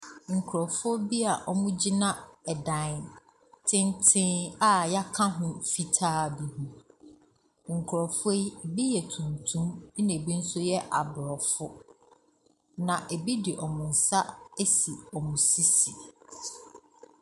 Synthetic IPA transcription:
ŋ̩˨kʰʊ˨ɾɔ˨fo˦bi˦a˨ʔɔ˦mʊ̃˦d͡ʑi˦nã˦ɛ˨dã˨n | tʰɪ̃˦ntʰɪ̃˦a˦ja˦kʰã˦ɦʊ̃˦fi˦tʰaː˦bi˨ɦũ˦ | ŋ̩˨kʰʊ˨ɾɔ˨fe˦˨bi˦jɛ˨tʰũ˨ntʰũ˦m˦nẽ˨bi˦n̩˦sʊ˦jɛ˦ʔa˨bɾɔ˨fʊ˦ | nã˨ʔe˨bi˦dɪ˨ʔɔ˨mʊ̃˨n̩˨sa˦e˦si˨ɔ˨mũ˨si˦si˨

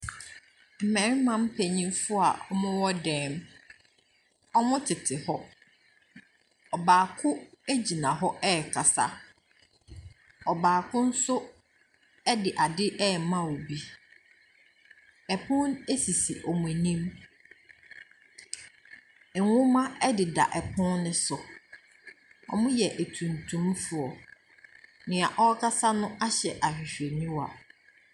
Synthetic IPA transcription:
m̩˨mɛ̃˨ɾmã˦m˦pʰæ˨ɲĩ˦mfʊ˦a˨ʔɔ˦mʊ̃˦wɔ˦dɛ̃ː˦m | ɔ˦mʊ̃˦tʰɪ˨tʰɪ˨hɔ˦ | ɔ˨baː˨kʰʊ̃˦æ˦d͡ʑi˨nã˨ɦɔ˦ʔɛ˦˨kʰa˨sa̰˦ | ɔ˨baː˨kʰʊ̃˦n̩˦sʊ˦ | ɛ˦dɪ˨ʔa˨dɪ˦ʔɛ˦˨˦mã˦wo˨bi˦ | ɛ˨pʰʊ̃˦ne˦si˨si˨ʔɔ˨mʊ̃˨e˨nĩ˦m˨ | ŋʊ̃˦mã˦ɛ˦dɪ˨da̰˨ʔɛ˨pʰʊ̃˦nnɪ̃˨sʊ˨ | ɔ̰˨mʊ̃˦jɛ˨ʔæ˨tʰũ˨ntʰũ˨˦mfʊ˨ɔ˨ | nɪ̃˨a˨ʔɔ˦kʰa˦sa˦nʊ̃˦a˦ɕɛ˨ʔa˨ɕᶣi˨ɕᶣe˨nĩ˦wa̰˨

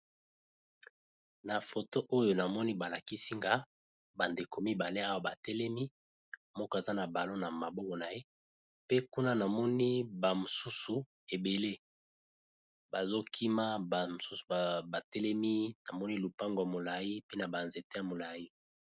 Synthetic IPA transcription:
na˨fo˨to˦ʔo˦jo˨na˨mɔ˦ni˦ba˨la˨ki˦si˦ŋɡa˦ | ba˨nde˨ko˨mi˦ba˨le˦a˦wa˨ba˨tɛ˦lɛ˦mi˦ | mɔ˦kɔ˦e˨za˦na˨ba˨lo˦na˨ma˨bɔ˦kɔ˨na˨je˦ | pe˦ku˦na˦na˨mɔ˦ni˦ba˨mo˨su˦su˨ | e˨be˨le˦ | ba˨zo˦kʰi˦ma˦ba˨mo˨su˦su̥˨ba˨tɛ˦lɛ˦mi˦na˨mɔ˦ni˦lu˨pa˦ŋɡo˨ja˨mo˨la˨ji˦pe˦na˨ba˨nze˨te˦ja˨mo˨la˨ji˦

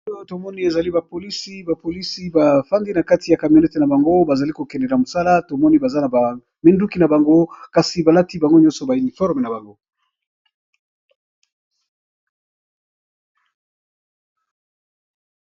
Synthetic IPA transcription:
o˦to˨mɔ˦ni˦e˨za˨li˦ba˨po˨li˦si˦ba˨po˨li˦si˦ba˨fa˦ndi˦na˨ka˦ti˨ja˨ka˨mjo˨nɛ˦te˨na˨ba˨ŋɡo˦ba˨za˨li˦ko˨kɛ˨ndɛ˨la˨mo˨sa˦la˦to˨mɔ˦ni˦ba˨za˦na˨ba˨ | me˦ndu˦ki˦na˨ba˨ŋɡo˦ka˨si˨ba˨la˦ti˦ba˨ŋɡo˦ɲɔ̃˦nsɔ˨ba˨i˨ni˨fɔ˦ʁme˨na˨ba˨ŋɡo˦

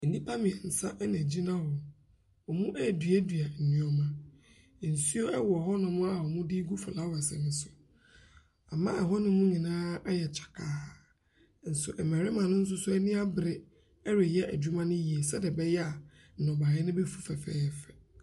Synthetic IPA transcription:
n̩˨nĩ˦pʰa˦mɪ̃˨ɛ˨n̩˨sa˦ʔnɛ̃˨d͡ʑi˦nã˦wɔ˨ | ɔ˨mũ˦ʔæ˦˨dɥæ˦dɥa˨n̩˨nũ˦ɔ˦mã˨ | n̩˨su˦o˦ɛ˦wɔ˨ɦɔ˦nʊ̃˨mʊ̃˦a˨ɔ˨mʊ̃˦dɪ˦ɡu˦fa˨la˨˦wɔ˨ɛ˨sɛ̰˨mɪ̃˨sʊ˨ | a̰˨mã̰˦ʔɛ˨ɦɔ˦nɪ̃˦mũ˦ɲĩ˨nãː˦a˦jɛ˨t͡ɕʰḁ˨kʰaː˨ | n̩˨sʊ̰˨ʔɛ˨mæ̃˨ɾɪ˦mã˨nʊ̃˦n̩˦s̬ʊ˦sʊ˦ɛ˦nɪ̃˦a˦bɾɪ˦ | ɛ˦ɾɪ˨jɛ˦ʔæ˨d͡ʑu˦mã˦nʊ̃˦ji˨e˨sɛ˦dɛ˨bɛ˦jɛ˦a˨ | n̩˨nɔ̃˨ba˨jɛ˦nʊ̃˦be˦fu̥˦fɛ˨fɛ̰ː˦˨fɛ˨

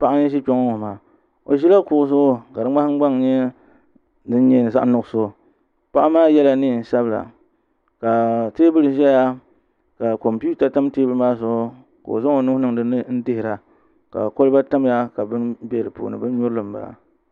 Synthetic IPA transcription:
pa˦ʔa˦ɲɛ˦ʃi˦ko˦ŋo˦o˨maː˨ | o̰˨ʒi˦la˦kʊ˨ʔʊ˨sʊ˦ka˨dɨ˦ŋ͡ma˦hŋ͡mɡ͡ba˦ŋ˨ɲɛ˦ | dɨ˦n˦ɲɛ˦nɨ˨za˦ʔnʊ˦˨ʔʊ˦so˦˨ | pa˦ʔa˦maː˦jɛ˦la˦niː˦˨n̩˨sa˦bla̰˨ | ka˨teː˦bɨ˦lɨ˨ʒɛ˦ja˦ | ka˨ko˨mpi˦u˦ta˨ta˦mteː˦bɨ˦ɾɨ˦maː˦so˨˦ | ka̰˨o̰˨zo˦ŋo˨nʊ˦hnɨ˦˨ŋdɨ˦nɨ˦n̩˦dɪ˦hɪ˨ɾa˨ | ka̰˨ko˦lɨ˦ba˦ta˦m˦ja˦ka˨bɨ˦nbɛ˦ɾɨ˨po̰ː˨nɨ̰˨bɨ˦n˦ɲʊ˦ɾɨ˦lɨ˨mba̰˨

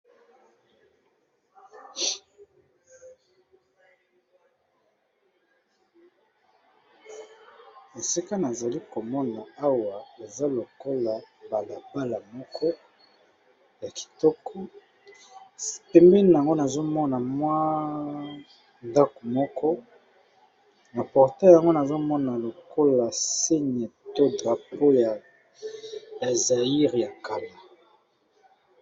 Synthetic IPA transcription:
a˨si˦ka˦na˨za˨li˦ko˨mɔ˦na˨a˦wa˨e˨za˦lo˨ko˦la˨ba˨la˨ba˦la˨mɔ˦kʰɔ˦ | ja˨ki̥˨tɔ˦kɔ˦ | pɛ˨mbɛ˦n˨a˨ŋɡo˦na˨zo˦mɔ˦na˨mwa˦ | nda˦kɔ˨mɔ˦kʰɔ˦ | na˨pɔ˨ʁtɛ˦˨ja˨ŋɡo˦na˨zo˦mɔ˦na˨lo˨ko˦la˨se˦ɲe˨to˦dʁa˨po˦ja˨ | ja˨za˨i˦ʁja˨ka˨la˨

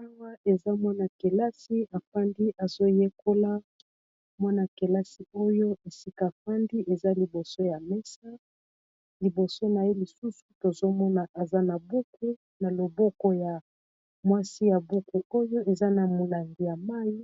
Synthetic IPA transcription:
a˦wa˦e˨za˦mwa˦na˨ke˨la˦si˦a˨fa˦ndi˦ʔa˨zo˦je˦kʰo˦la˦ | mwa˦na˨ke˨la˦si˨o˦jo˦e˨si˦ka˨fa˦ndi˦ʔe˨za˦li˨bo˨so˦ja˨mɛ˦sa˦ | li˨bo˨so˦na˨je˦li˨su˦su˨to˨zo˦mɔ˦na˨ʔa˨za˦na˨bu˦ku˦ | na˨lo˨bɔ˦kɔ˦ja˨ | mwa˦si˦ja˨bu˦ku˨o˦jo˦ʔe˨za˦na˨mo˨la˨ŋɡi˨ja˨ma˦ji˦

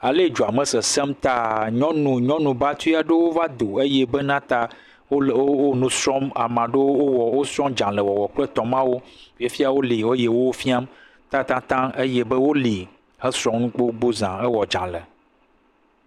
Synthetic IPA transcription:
a˨le˦d͡ʒo˨a˨mɛ̃˨sɛ˨sɛ˦mt̪a˦ɲɔ̃˦nũ˨ɲɔ̃˦nũ˨ba˦t̪u˦a˨ɖe˦wo˦va˦d̪o˨e˦je˦be˦nã˦t̪a˦ | o˦˨˦wo˦nũ˨sɾɔ˦ma˨mã˨ɖe˦wwo˦wɔ˨wo˦sɾɔ̃˦md͡ʒã˨lɛ˨wɔ˨wɔ˨k͡plɛ˦t̪ɔ̃˨mã˦wo˦fi˦a˦fi˦a˨wo˦li˨wo˦je˨wo˦wo˦fi˦a˦m | t̪a˦t̪ã˦t̪ã˦e˦je˦bɛ˦wo˦li˨ | hɛ˦sɾɔ̃˦mnũ˦k͡po˦ɡ͡bo˦zã˨e˦wɔ˨d͡ʒã˨le˨

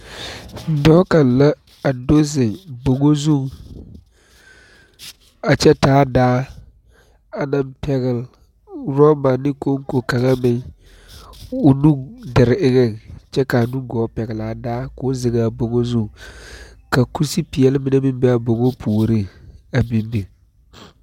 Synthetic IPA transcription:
dɔ˦ka˨nla˦ | a˨do˦zɪ˨ŋbo˨ŋo˦zu˦˨ŋ | a˨t͡ʃɛ˦taː˨˦daː˦ | a˨na˦mpʰɛ˦ɣɪ˨l | ɾɔ˦ma˨nɪ˦ko˦ŋ˦ko˨ka˨ŋa˦mɪ˨ŋ | ʊ˨nu˦dɪ˨ɾɪ˨ʔɪ˦ɣɛ˦˨ŋt͡ʃɛ˦ka˨a˨nu˦ɡɔː˨˦pɛ˨ɡɪ˨la˨daː˦kʊ˦zɪ˨ŋa˨bo˨ŋo˦zu˦ŋ | ka˨ku˦si˦pi˨jɛ˨lmɪ˦na˦mɪ˦mbɛ˦a˨bo˨ŋo˦pʰuː˨ɾi˦˨a˨bi˦m˦bi˨

